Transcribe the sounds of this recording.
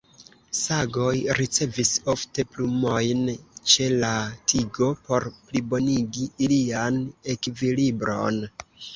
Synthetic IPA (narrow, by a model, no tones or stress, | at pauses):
saɡo̞jɾit͡se̞viso̞fte̞plumo̞jnt͡ʃe̞latʰiɡo̞po̞ɾplibo̞niɡiːliane̞kvilibɾo̞̰n